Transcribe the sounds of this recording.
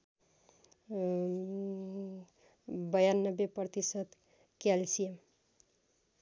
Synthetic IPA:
bəjanːəbːepət̪isət̪ | kɛlsijem

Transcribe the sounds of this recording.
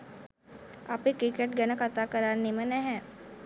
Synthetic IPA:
apekɾɪkeʈɡɐnəkət̪akɐɾaːɾnemẽnɛɦɛ̃

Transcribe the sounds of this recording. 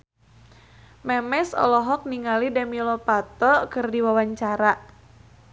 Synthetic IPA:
mɛmɛsɔ̰lɔɦɔk̚niŋalidamilɔpat̪ɔkɨrdiwawaɲt͡ʃaɾaʔ

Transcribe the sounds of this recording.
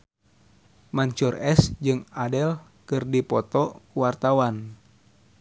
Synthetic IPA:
maɲt͡ʃurɛsd͡ʒɨŋadɛl | kɨrdipɔt̪ɔuwart̪awan

